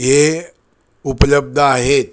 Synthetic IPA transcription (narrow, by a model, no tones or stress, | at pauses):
ɦe | upləb̚d̪ʱəaɦet̪̚